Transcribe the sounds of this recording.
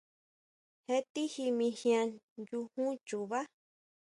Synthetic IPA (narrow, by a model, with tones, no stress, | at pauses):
he˧t̪i˦hi˧mĩ˧hj̃ã˧ | ju˧hũ˦t͡ʃu˨βa˦